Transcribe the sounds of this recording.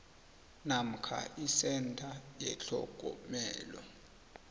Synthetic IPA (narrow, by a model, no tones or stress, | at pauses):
nam̩kʰa̰ʔisɛntʰʼajɛɬʰɔɡ̥ʼʱɔ̰mɛːlɔ